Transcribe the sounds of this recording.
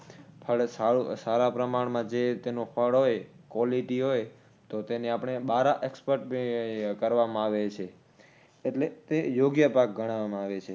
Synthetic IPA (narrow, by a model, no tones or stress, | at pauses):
pʰəɭsausaɾapɾəmaɽmãd͡ʒet̪enopʰəɭɦojkʋɔliʈiɦoj | t̪ot̪eneapəɳ̃eɓaɾaʔekspəɾʈ̚kəɾʋamãaʋet͡ʃʰeː | ʈlet̪ejoɡjəpak̚ɡʱəɽ̃aʋamãaʋet͡ʃʰe